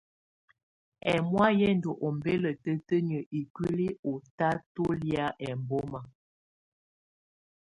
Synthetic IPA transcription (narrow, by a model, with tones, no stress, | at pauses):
ɛ˨mwa˦jɛ˦n˨do˨ʔo˨m˨be˦lə˨tə˦tə˦ɲə˨ʔi˨kwi˦li˦o˨ta˦to˦lja˦ʔɛ˨m˨bo˦ma˨